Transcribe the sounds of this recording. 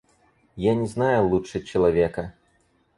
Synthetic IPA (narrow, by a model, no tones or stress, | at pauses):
janʲɛznajulˠuʂɨt͡ɕɐlˠavʲɛkɐ